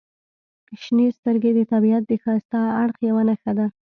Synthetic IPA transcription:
ʃnist̪əɾɡed̪ət̪abiat̪̚d̪əxɑst̪aaɽxjawanaxad̪a

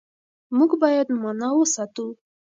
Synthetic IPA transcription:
muɡbɑjad̪mɑnɑwəsat̪u

